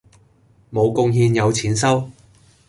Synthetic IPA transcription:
mo˨˧wkʊ˥˧ŋɦiː˧njɐ˨˧wt͡sʰiː˨˥nsɐ˥w

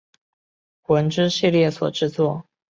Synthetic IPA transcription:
xwə˧˥nʈ͡ʂɻ̩˥ɕi˥˧ljɛ˥˩swɔ̰˨˩ʈ͡ʂɻ̩˥˧t͡swɔ˥˩

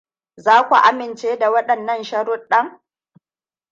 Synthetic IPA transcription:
zaː˦kʷu˨ʔa˦mɪ˨nt͡ʃeː˦da˨wɐ˦ɗɐ˨nːɐ˦˨nʃɐ˦ɾʊ˦ɗɐ˦ŋ

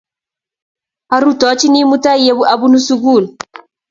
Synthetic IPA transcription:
a˨ɾu˦˨tɔ˨˦t͡ʃi˦ni˦mu˦ta˦i˦je˦bu˦ʔa˨bu˦nu˦su˦ɡu˦˨l

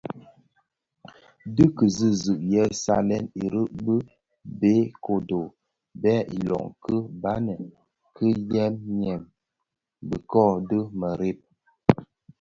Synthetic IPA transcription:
dɨ˦kə˨zi˦zɨ˨ʔjɛ˦sa̰˦lɛ˦ni˨ɾə˦ʔbə˦ | be˦ko˨do˨ | bɛ˦ʔḭ˨lɔ̰˨ŋkə˦ba˦nə˨ | kʰə˦jɛ˦mɲɛ˨m | bə˨kɔ˦˨də˦mə˨ɾe˦p̚

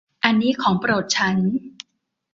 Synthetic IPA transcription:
ʔa˧nːiː˦˥kʰɔː˩˦ŋpɾoː˨˩t̪̚t͡ɕʰa˦˥n

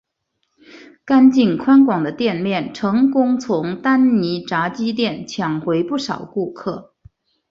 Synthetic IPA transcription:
ka˥nt͡ɕi˥˩nkʰwa˥nkwɑ˨˩ŋd̪ə˦t̪jɛ˥˧nmjɛ˥˩nʈ͡ʂʰɤ˧˥ŋkʊ˥ŋt͡sʰʊ˧˥ŋt̪a˥nni˧˥ʈ͡ʂa˧˥t͡ɕi˥t̪̬jɛ˥˩nt͡ɕʰjɑ˨˩ŋxwe˧˥ɪpu˥˩ʂɑ˨˩ʊku˥˧kʰɤ˥˩

